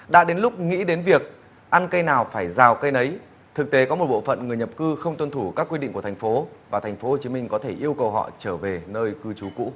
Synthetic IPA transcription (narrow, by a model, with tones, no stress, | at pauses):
ɗa̰ː˧˥ɗe˨˦nlʊ˦˥k͡p̚ŋḭ˧˥ɗe˨˦nvi˨˩ək̚ | ʔa˧nkə˧jnaː˨˩wfaː˧˩jzaː˨˩wkə˧jnə˨˦j | t̪ʰɨ˨˩k̚t̪e˨˦kɔ˨˦mo˨˩t̚ɓo̰˧˨fə̰˧˨nŋɨ˨˩əjɲə˨˩p̚kɨ˧xə˧wŋ͡mt̪wə˧nt̪ʰu˧˩kaː˦˥kːwi˧ɗḭ˧˨ku˧˩ət̪ʰŋ̟fo˨˦vaː˨˩t̪ʰa˨˩ŋ̟fo˨˦ho˨˩t͡ɕi˨˦mï˧ŋ̟kɔ˨˦t̪ʰe˧˩ʔi˧əwkə˨˩wɦɔ̰˧˨t͡ɕəː˧˩ve˨˩nəː˧jkɨ˧t͡ɕu˨˦kṵ˧˥